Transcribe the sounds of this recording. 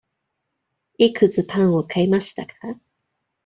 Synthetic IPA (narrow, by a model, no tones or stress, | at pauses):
ikɯ̟t͡sɨpʰãɰ̃o̞kʰaimaɕi̥t̪akʰḁ